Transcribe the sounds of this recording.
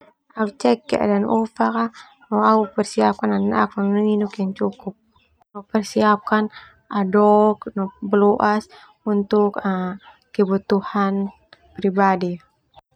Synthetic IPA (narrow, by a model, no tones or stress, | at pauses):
aut͡ʃɛkːɛ̰ʔdanɔfaka | nɔaupərsiap̚kanana̰k̚ɔnnəŋinɔkiant͡ʃukup̚ | nopərsiap̚kan | ʔadɔknɔbəloʔas | unt̪uka | kəbut̪uhan | pɾibadi